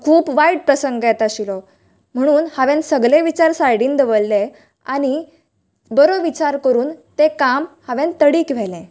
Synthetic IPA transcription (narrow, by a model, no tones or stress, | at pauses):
kʰuːpʋaiɽ̚pɾəsəŋɡjɛt̪aɕilɔ | m̤əɽ̃uːnhaʋẽnsəɡleʋit͡ɕaɾsajɽiːnd̪əʋəlːe | aɽ̃i | bəɾoʋit͡ɕaɾkəɾuːnt̪ekamhaʋẽnt̪əɽiːkʋ̤ɛlẽ